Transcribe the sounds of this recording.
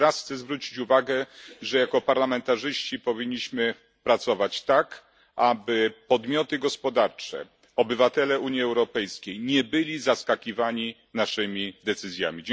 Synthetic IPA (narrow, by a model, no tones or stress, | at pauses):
ɾasxt̪sɛzvɾut͡ɕi̥t͡ɕuvaɡɛʐɛjakɔpaɾlamɛnt̪aʐɘɕt͡ɕipɔvʲiɲːiɕmɘ | pɾat̪sɔvat͡ɕt̪ak | ʔabɘpɔd̪mʲjɔt̪ɘɡɔspɔd̪aɾt͡ʂɛ̰ | ɔbɘvat̪ɛlɛuɲjiɛwɾɔpɛjskʲejɲɛbɘlʲizaskakʲivaɲi | naʂɘmʲid̪ɛt̪sɘzʲja̰mʲid͡ʑ